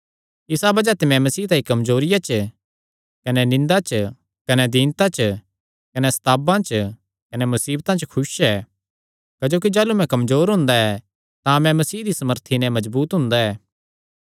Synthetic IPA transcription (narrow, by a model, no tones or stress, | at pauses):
ɪsabɐd͡ʒat̪ɪmɛ̃mɐsiːt̪aːikɐmzoːɾɪjat͡ʃ | kɐnɛnɪ̃nd̪at͡ʃ | kɐnɛd̪iːnt̪ãt͡ʃʰ | kɐnɛsɐ̥t̪ʰaːbãt͡ʃ | kɐnɛmɐsiːbt̪ãt͡ʃkʰʊsɛː | kɐd͡ʒoːkid͡ʒaːlumɛ̃kɐmzoːɾɦʊ̃nd̪aɛ | t̪ãmɛ̃mɐsiːɦd̪isɐməɾt̪ʰinɛ̃mɐzbuːt̪ɦʊ̃ːnd̪aɛː